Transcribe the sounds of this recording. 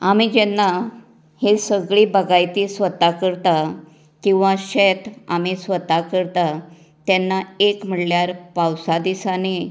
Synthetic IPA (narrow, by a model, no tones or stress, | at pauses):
amid͡ʑɛnːa | hesəɡɭiːbəɡajt̪iːsʋət̪akəɾt̪a | kĩw̃ʋãɕet̪a̰misʋət̪akəɾt̪a | t̪jɛnːaekm̤əɽljaɾpawsad̪isani